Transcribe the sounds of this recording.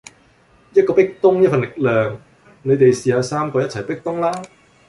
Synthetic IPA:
jɐ˥t̚kɔː˧pɪ˥k̚t̪ʊ˥ŋjɐ˥t̚fɐ˨nlɪ˨k̚lœː˨˩ŋ | ne˨˧jt̪e˨jsiː˨aː˨˧saː˥mkɔː˧jɐ˥t̚t͡sʰɐ˨˩jpɪ˥k̚t̪ʊ˥ŋlaː˥

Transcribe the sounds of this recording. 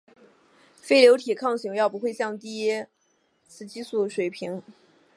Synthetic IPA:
fe˥ɪljo˧˥ʊt̪ʰi˨˩kʰɑ˥˩ŋɕi˧˥ŋjɑ˥˩ʊp̬u˧˥xwe˥˧ɪɕjɑ˥˧ŋt̪i˥˩jɛ˥ | t͡sʰɹ̩˧˩t͡ɕi˥su˥˩ʂwe˨˩ɪpʰi˧˥ŋ

